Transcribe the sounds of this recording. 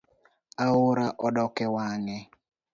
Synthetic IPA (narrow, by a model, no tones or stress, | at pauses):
aʊɾaʔɔdɔkɛwaŋɛ